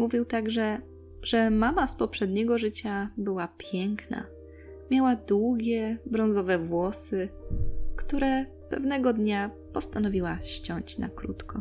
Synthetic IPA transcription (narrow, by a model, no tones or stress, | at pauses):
muvʲiwt̪aɡʐɛ | ʐ̥ɛmamaspɔpʂɛd̪ɲɛɡɔʐɘt͡ɕabɘwapʲjɛŋkna̰ | mʲjawad̪wuɡʲɛbɾɔ̃nzɔvɛvwɔsɘ | kt̪uɾɛ | pɛvnɛɡɔd̪ɲa | pɔst̪anɔvʲiwaɕt͡ɕɔɲt͡ɕna̰kɾṵt̪kɔ